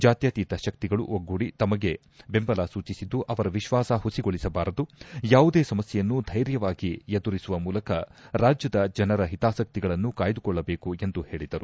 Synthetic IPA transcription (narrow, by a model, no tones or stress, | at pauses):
d͡ʒaːt̪jat̪iːt̪ɐʃɐk̚t̪iɡɐɭṵʔoɡːuɽit̪ɐmɐɡe̞ | be̞mbɐlaːsuːt͡ʃisid̪ːuʔɐʋɐɾɐʋiʃʋaːsɐɦusiɡo̞ɭisɐbaːɾɐd̪ujaːʋud̪eːsɐmɐsjɛjɐnːud̪ʱɐjɾjɐʋaːɡijed̪uɾisuʋɐmuːlɐkɐɾaːd͡ʒjɐd̪ɐd͡ʒɐnɐɾɐɦit̪aːsɐk̚t̪iɡɐɭɐnːukaːjɐd̪ukɔɭːɐbe̞ːkue̞nd̪uhe̞ːɭid̪ɐɾu